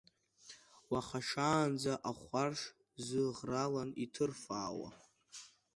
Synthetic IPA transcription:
waχaʂaːnd͡zaʔaχʷarʂ | zɨʁralanitʰɨrfaːwa̰

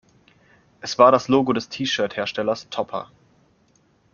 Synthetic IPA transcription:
ʔɛsv̥aːɐɾasloːɡodɛstʰiːʃœːɐtheːɐʃtɛlɐstʰɔpʰɐ̰

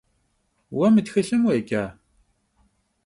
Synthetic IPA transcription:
wæməd̪çiɬəmwækːæ

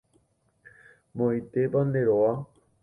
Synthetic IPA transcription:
mõit̪epand̪eɾoa

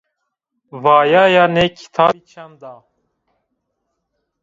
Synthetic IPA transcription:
vaːjaːjanekʰi̥t̪ʰaːit͡ʃʰand̪aː

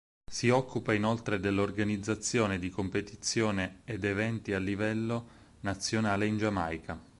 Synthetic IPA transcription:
siɔkːupainolt̪ɾed̪elːorɡanid̪zːat̪sːjoːned̪ikompet̪it̪sːjoːneːd̪evɛnt̪ialːivɛlːo | nat̪sːjonaːleind͡ʒama̰jkʰa

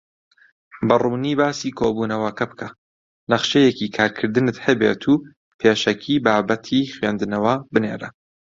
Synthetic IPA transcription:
bɐruːniːbaːsiːkʰoːbuːnɐwɐkɐbɨkʰɐ | nɐχʃejekikʰaːɾkʰɨɾd̪ɨnɨt̪hɐbeːt̪ʰuː | pʰeːʃɐkʰiːbaːbɐt̪ʰixɥeːnd̪ɨnɐwɐbɨneːɾɐ

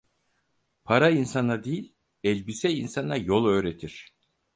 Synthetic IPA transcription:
pʰaɾainsanad̪ejilʲ | ɛlʲbisɛinsanːˠajo̞lˠø̞ːɾet̪ʰiɾ̝̥

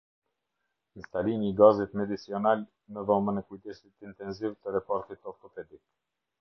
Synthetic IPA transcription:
nst̪aliniːɡazit̪mɛd̪isiɔnal | nəðɔmənɛkujt̪ɛsit̪int̪ɛnzivt̪əɾɛpɔɾt̪it̪ɔɾt̪ɔpɛd̪ik̚

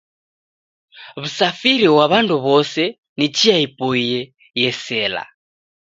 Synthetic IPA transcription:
βusafiɾiwaβanduβɔsɛ | nit͡ʃiaipɔijɛ | jɛsɛːla̰

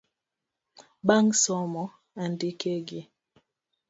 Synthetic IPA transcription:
ɓaŋsɔmɔ | andikeɡi

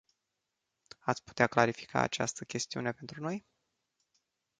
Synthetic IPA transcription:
at̪sʲpu̥t̪eaklaɾifi̥kʰa̰ːt͡ʃa̰st̪əkʲe̞st̪iṵne̞pe̞nt̪ɾuno̞j

